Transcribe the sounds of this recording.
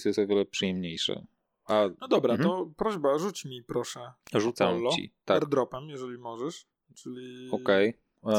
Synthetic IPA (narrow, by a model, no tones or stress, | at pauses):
sjɛst̪ɔvʲjɛlɛpʂɨjɛmɲejʂɛ̰ | aɔd̪ɔbɾaɔpɾɔʑbaʐut͡ɕmʲipɾɔʂɛʐut̪samɔt͡ɕḭt̪aɾd̪ɾɔpɛmjɛʐɛlʲimɔʐɛʂ | t͡ʂɘlʲiɔkɛj